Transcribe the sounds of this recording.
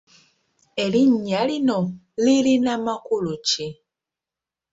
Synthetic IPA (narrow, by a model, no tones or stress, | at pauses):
e̞liɲːalino | lilinamakuluci